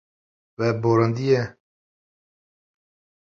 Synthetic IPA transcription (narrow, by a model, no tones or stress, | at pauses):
vɛboːɾɑnd̪ijɛ